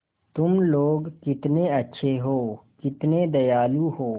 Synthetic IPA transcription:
t̪ʊmloːɡkɪt̪neɐtːʃʰeɦoːkɪt̪ned̪ɐjaːluhoː

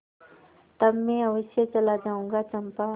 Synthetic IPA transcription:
t̪ɐbmẽɐʋɪʃjət͡ʃɐlad͡ʒaːũːŋɡat͡ʃɐmpa

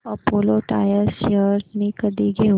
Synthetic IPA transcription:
ɐpoːloʈa̰ːjəsjəɾnikəd̪iɡe

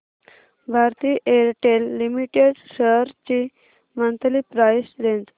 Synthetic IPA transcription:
bʱaɾt̪iːʔeɾʈelːimiʈeɖsəɾt͡ɕi | mənt̪liːpɾajsɾend͡z̪

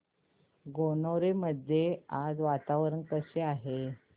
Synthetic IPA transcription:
ɡonoɾeməd̪ʱjead͡zʋat̪aʋɾəɳkəseaɦe

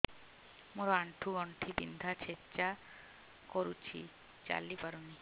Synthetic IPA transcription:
moɾoaɳʈʰuɔɳʈʰibḭnd̪ʱat͡ɕʰet͡ʃa | koɾut͡ɕʰḭ | t͡ɕa̰lːipaɾuni

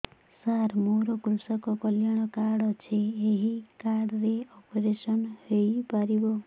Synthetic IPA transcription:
saɾmoɾokɾusɔkɔkɔljaɽ̃ɔkaɽt͡ʃʰeːɦikaɽɾeɔpɾesʌnhejpaɾibo

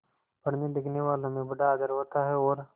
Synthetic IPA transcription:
pɐɽned̪ɪkʰneʋaːlõmẽbɐɖaːd̪əɾʋət̪aɦɛɔːɾ

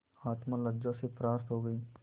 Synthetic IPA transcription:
aːt̪mãlɐɡd͡ʒasepɾaːst̪ɦoɡəiː

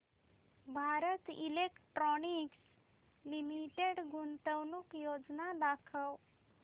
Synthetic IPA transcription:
bʱaɾət̪ḭlekʈɾɔniks | limiʈeɽɡunt̪əwnuːkjod͡znad̪akʰəw

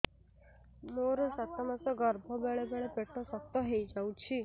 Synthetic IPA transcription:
moɾɔsat̪ɔmasɔɡɔɾbʱɔbeɭebeɭepeʈɔsɔt̪ːɔɦejd͡ʒawt͡ʃʰi

